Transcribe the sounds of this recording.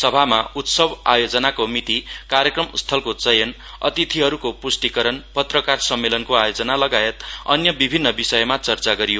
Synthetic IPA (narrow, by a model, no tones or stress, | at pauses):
sʌbʱamaut̪sʌba̰jod͡zʌnakomit̪ikarjʌkrʌmst̪ʰʌlkot͡sʌjʌn | ʌ̰t̪it̪ʰiɦʌɾukopusʈikʌɾʌnpʌt̪rʌkarsʌmːelʌnkoajod͡zʌnalʌɡaet̪ʌ̰njʌbibʱinːʌbisʌjʌmat͡sʌrt͡saɡʌɾijo